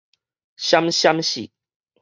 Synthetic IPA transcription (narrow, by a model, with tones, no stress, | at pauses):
ɕa˦mɕja˦mɕḭ˨